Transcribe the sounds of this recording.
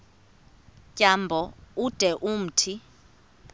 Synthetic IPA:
cʼambʱɔud̥ʱɛʔum̩tʰi

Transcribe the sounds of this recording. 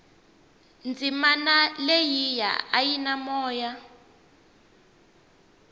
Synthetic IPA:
nd͡zimanalejija̰a̰jinamɔːja

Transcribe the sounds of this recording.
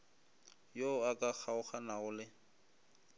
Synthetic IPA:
joakʼak͡xʰaʊχanaʊlɪ

